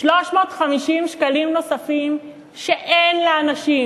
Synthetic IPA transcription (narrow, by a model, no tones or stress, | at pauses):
ʃloʃmo̞ːt̪χamiʃimʃkalimno̞safim | ʃeʔenleanaʃi